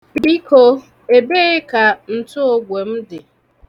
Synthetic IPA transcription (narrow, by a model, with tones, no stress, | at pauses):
bi˦kʰo˦ | e˨be˦ɪ˦ka˨n̩˨tʊ˦o˦ɡʷe˨m̩˦dɪ˨